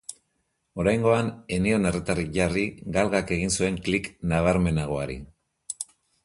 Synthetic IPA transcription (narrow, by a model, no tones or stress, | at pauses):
o̞ɾajŋɡo̞ane̞nio̞ne̞ret̪arikʝariɡalɣake̞ɣ̞insue̞ŋkliknaβ̞aɾme̞naɣ̞o̞aɾḭ